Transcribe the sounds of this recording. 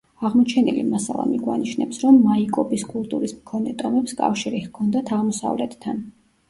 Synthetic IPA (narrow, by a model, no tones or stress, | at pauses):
aʁmɔt͡ʃʰɛnilḭmasalˠa̰miɡwa̰niʃnɛpsɾɔmːaikʼɔbiskʼulˠt̪ʼuɾismkʰɔnɛt̪ʼɔmɛpskʼa̰fʃiɾihkʰɔnd̪at̪ʰaʁmɔsa̰vlɛt̪ʰt̪ʰːan